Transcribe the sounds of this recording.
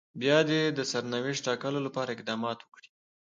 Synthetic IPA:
bjɑd̪ed̪əsaɾnawɪʂʈɑkəlolapɑɾaɪqd̪ɑmɑt̪wəkɽi̥

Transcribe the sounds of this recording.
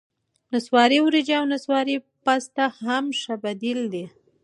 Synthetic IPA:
naswɑɾiwɾid͡ʒawnaswɑɾi | past̪ahamʃabad̪ild̪i

